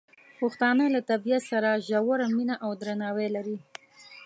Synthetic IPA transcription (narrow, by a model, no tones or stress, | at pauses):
pʊxt̪ɑnəlat̪abijat̪saɾaʒawaɾaminaʔawd̪ɾanɑwelaɾi